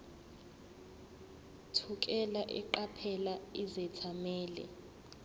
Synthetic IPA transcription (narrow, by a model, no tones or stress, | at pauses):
tʰuk̬ʼɛlaʔɛ̰ǃapʰɛlaizɛtʰamɛːlɛ̰